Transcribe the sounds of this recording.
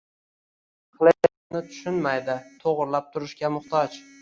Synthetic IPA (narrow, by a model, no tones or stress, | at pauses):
qlˠɪ | nɪt̪ʰʊ̥ʃɪnmajd̪ɪt̪ʰoʁɾlap̚t̪ʰʊɾɪʃkʲamʊχt̪ʰɒt͡ʃ